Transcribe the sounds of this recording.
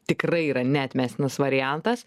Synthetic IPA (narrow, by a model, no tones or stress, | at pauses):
t̪ʲɪkɾɐɪiːɾɐnʲæːt̪ʲmʲæːsʲt̪ʲɪnɐsʋɐɾʲɪjænt̪ɐs